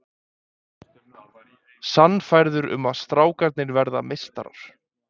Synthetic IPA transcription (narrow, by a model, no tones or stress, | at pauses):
sanːfajɾðʏɾʏ̰maðst̪ɾaːwkaɾt̪nɪɾvɛɾða̰mɪst̪a̰ɾa̰ɾ̥